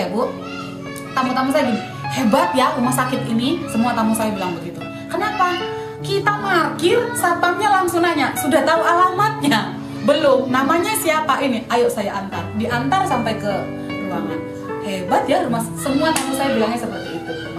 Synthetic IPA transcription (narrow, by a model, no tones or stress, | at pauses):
buʔ | t̪amat̪amas̬ajaɡini | hebat̪̚jarumahsakɪt̪̚inisəmuat̪amusajabilaŋbəɡit̪u | kənapa | kit̪aməarkɪrsapapɲalaŋsunaɲasudaht̪aualamat̪̚ɲa | bəlʊmnamaɲasiapaʔiniajoʔsajaʔant̪ardiʔant̪arsampajkə | ut̪aŋan | hebat̪̚jaɾumasəmuat̪amusajabilaŋɲasəpərt̪iːt̪u